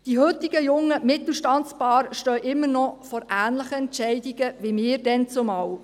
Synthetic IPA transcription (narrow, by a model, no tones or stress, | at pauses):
d̥iɦɵtɪɡəjʊŋːəmɪt̪l̩ʃtɑnt͡spɑːɾʃtœːʔɪmːərnɔfɔɾæːnləχəɛntt͡ʃɛɪdɪɡəʋimɪːɾdɛnt͡sʊmɑw